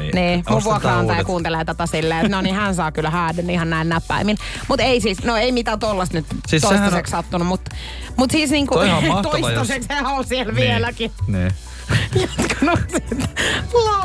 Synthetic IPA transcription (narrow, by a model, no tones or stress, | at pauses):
niːmuʋʋuokrɑɑnt̪ɑːjɑkuːnt̪eleːt̪æt̪æsilːeenonihænsɑːkylːhæːdenːihɑnnæˑilnæːpːæ̰imil | mut̪eisiːsnoeimit̪æt̪olːɑst̪nyt̪sioist̪ɑsekssɑt̪ːunumut̪ː | mut̪siːsniːŋkuɑt̪oit̪ɑsekseolsielʋielækinː | jot̪kɑnosit̪l